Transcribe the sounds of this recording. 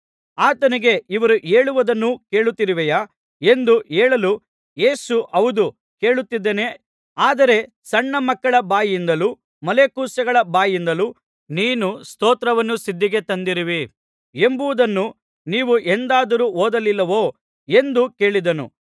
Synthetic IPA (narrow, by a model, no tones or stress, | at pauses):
aːt̪ɐniɡe̞iʋɐɾuʔeːɭuʋɐd̪ɐnːuke̞ːɭut̪ːiɾiʋɛja | e̞nd̪ueːɭɐlu | je̞ːsuʔɐʋud̪u | ke̞ːɭut̪ːid̪ːeːne̞ | aːd̪ɐɾe̞ | sɐɳːɐmɐkːɐɭɐbaːjind̪ɐluː | mɐle̞kuːsɐɡɐɭɐbaːjind̪ɐluː | niːnust̪oːt̪ɾɐʋɐnːusid̪ːiɡe̞t̪ɐnd̪iɾiʋi | e̞mbuʋud̪ɐnːu | niːʋuʔend̪aːd̪ɐɾuːoːd̪ɐlilːɐʋo̞ː | e̞nd̪uke̞ːɭid̪ɐnṵ